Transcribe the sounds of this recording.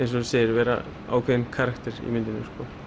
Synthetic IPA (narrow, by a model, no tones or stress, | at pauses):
ejns̬ɔseːɪɾvɛːɾa̰ | a̰ːwkʰveɪnkʰaːɾakt̪ɪɾḭmɪnt̪ɪnʏskɔ